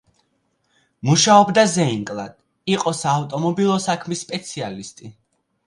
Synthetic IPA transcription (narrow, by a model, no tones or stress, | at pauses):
muʃaɔbd̪azɛiŋkʼlˠad̪̥ | iqʼɔsaːft̪ʼɔmɔbilˠɔsakʰmisːpʼɛt̪sʰialist̪ʼi